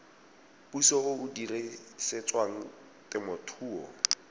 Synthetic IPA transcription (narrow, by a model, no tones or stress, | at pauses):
pusɔʊʊdiresɪt͡sʼwaŋ̩ | tʼɪmʊtʰuːɔ̰